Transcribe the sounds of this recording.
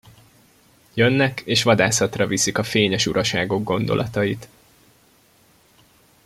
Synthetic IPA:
jønːɛkeːʃʋɒd̪aːsɒt̪rɒvisikɒfeːɲɛʃuɾɒʃaːɡo̞ɡːo̞nd̪o̞̰lʔɒ̰t̪ɒjit̪

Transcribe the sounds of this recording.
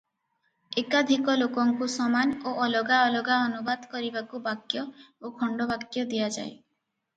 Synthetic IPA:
ekad̪ʱikɔlokɔŋkusɔmanoʔɔlɔɡaɔlɔɡaɔnubad̪kɔɾibakubakjɔokʰɔɳɖɔbakjɔd̪ijad͡ʒa̰e

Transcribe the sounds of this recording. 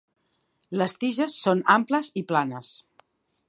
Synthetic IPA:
ləst̪iʒəsːonampləziplanəs

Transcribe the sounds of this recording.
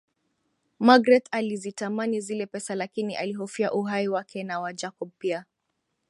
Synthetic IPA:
maɡɾɛtalizitamanizilɛpɛsalakiniʔaliɦɔfiaʔuɦaiwakʰɛnawad͡ʒakɔb̚pia

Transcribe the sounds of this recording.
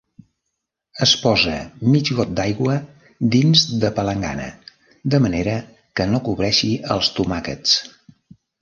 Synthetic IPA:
əspɔzə̰mid͡ʒɣɔt̪̚d̪ajɣwə | d̪inzd̪əpələŋɡa̰nə̰ | d̪əməneɾə | kənokuβɾɛʃiəlˠst̪umakə̰t͡s

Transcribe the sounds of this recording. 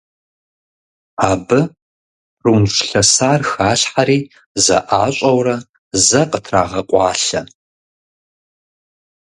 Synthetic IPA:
aːbɨ | runɕʷɬɐsaːrxaːɕħaɾiː | zɐ̰ʔaːɕʷʼɐwrɐ | zɐqʼətʰra̰ːʁɐqʷʼɑːɬɐ

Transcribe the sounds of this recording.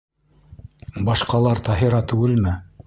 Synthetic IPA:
bɑʃqɑlˠɑɾt̪ɑɦiɾɑt̪ʉɡɘlmɘ

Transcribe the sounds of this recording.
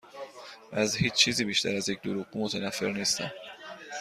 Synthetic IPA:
ʔæzhiːt͡ʃt͡ʃʰiːziːbiːʃt̪ʰæ̰ɾæzjec̚ʰd̪oɾuɣumot̪ʰenæfːeɾniːst̪æ̰m

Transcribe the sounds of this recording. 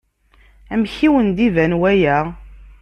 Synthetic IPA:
æmçiwənd̪ivænwæjæ

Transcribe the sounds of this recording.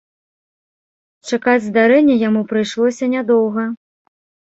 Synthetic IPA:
t͡ʂakad͡zʲzd̪aɾɛnʲːɛjamupɾɨjʂlˠɔsʲɐnʲad̪ɔwɣɐ

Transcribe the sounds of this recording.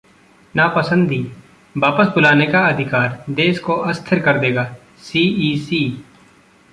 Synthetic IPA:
napəsə̃nd̪iː | baːpəsbʊlaːnekaɐd̪ʱɪkaːɾd̪eːskoʔəst̪ʰəɾkəɾd̪eːɡaː | siːiːsiː

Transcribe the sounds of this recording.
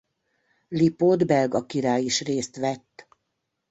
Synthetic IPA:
lipod̪bɛlɡɒkiɾaːjiʃreːst̪ʋɛt̪ː

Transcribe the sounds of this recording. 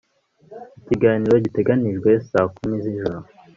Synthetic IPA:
iciɡaːniːɾo̞ɟite̞ɡaniʒɡwe̞saːkumiziʒuɾo

